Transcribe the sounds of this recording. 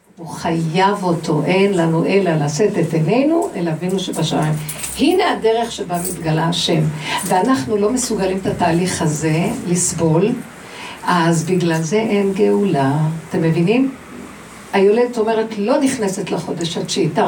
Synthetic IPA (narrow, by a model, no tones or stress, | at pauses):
uχajavo̞tʰo̞ʔe̞nlanuʔe̞lalase̞tetene̞jnuʔelaavinuʃebaʃamajm | hine̞adeʁeχʃebamit̪ɡalaʃe̞mveanaχnulo̞me̞suɡalimt̪ataːliχhaze̞lisbo̞l | azbiɡlalze̞ʔe̞nɡe̞ulat̪e̞mːevinim | ajo̞led̪tome̞ʁetlo̞niχnesetlaχo̞d̪eʃat͡ʃit̪a